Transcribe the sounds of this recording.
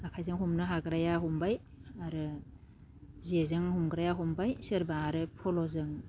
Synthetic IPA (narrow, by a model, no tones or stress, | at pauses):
akʰajzɯŋɦumnɯɦaɡɾajaɦumbaj | aɾɯ | zezɯŋhumɡɾajaɦumbajsɯɾbaːɾɯpʰɔlɔzɯŋ